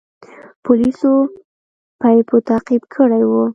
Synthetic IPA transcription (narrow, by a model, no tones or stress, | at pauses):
pʊliso | pɑjpot̪ɑqibkʰəɽajwu